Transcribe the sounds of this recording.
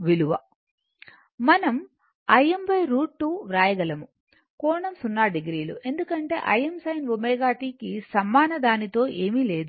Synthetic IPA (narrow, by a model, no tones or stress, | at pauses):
ʋiluʋɐ̰ | mɐnɐm | ɐjembɐjɾuːʈ̚ʈːuːʋɾaːjɐɡɐlɐmu | kɔːɳɐmsunːaːɖiɡɾiːluʔe̞nd̪ukɐɳʈe̞̰ːʔɐjemsɐjnʋumeːɡaːʈiːkisɐmːaːnɐd̪aːnit̪o̞ːʔe̞ːmile̞ːd̪u